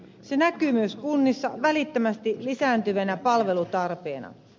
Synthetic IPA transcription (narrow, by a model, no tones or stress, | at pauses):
se̞nækyːmyøskunːisːɑʋælit̪ːømæst̪ilisæːnt̪yʋænæpɑlʋe̞lut̪ɑrpe̞̰ːnɑ̰